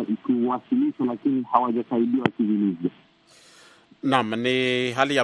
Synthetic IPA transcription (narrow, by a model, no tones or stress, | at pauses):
ikiwasiliʃalakinihawaʄasaiɗiawakivinizia | namniɦalija